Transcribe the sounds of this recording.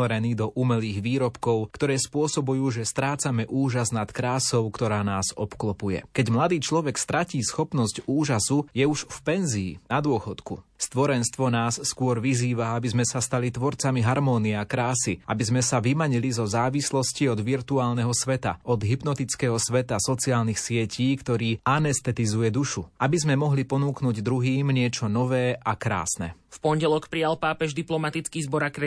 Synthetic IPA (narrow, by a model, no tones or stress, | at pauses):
ɛɾɛniːd̪ɔʔumɛliːɣʋiːɾɔpkɔʊkt̪ɔɾɛːspʊɔsɔbujuːʒɛst̪ɾaːt͡samɛʔuːʒaznat̪kɾaːsɔʊkt̪ɔɾaːnaːzɔpklɔpujɛ̰kɛɟmlad̪iːt͡ʃlɔʋɛkst̪ɾaciːsxɔpnɔscuːʒasujɛuʃfpɛnziḭnad̪ʊɔxɔt̪kṵst̪ʋɔɾɛnst̪ʋɔnaːsːkwʊɔɾʋiziːʋaabizmɛsast̪alit̪ʋɔɾt͡samiɦaɾmɔːniɛakɾaːsiʔa̰bizmɛsaʋimaɲilizɔzaːʋislɔsciɔd̪ʋiɾt̪uaːlnɛɦɔsʋɛt̪a̰ɔd̪ɦibnɔt̪it͡skɛɦɔsʋɛt̪asɔt͡siaːlnixsɪɛcʰiːkt̪ɔɾiːanɛst̪ɛt̪izujɛd̪uʃuabizmɛmɔɦlipɔnuːknuɟd̪ɾuɦiːmɲɪɛt͡ʃɔnɔʋɛːakɾa̰ːsnɛ̰fpɔɲɟɛlɔkpɾijalpaːpɛʒd̪iplɔmat̪it͡skiːzbɔɾakɾɛ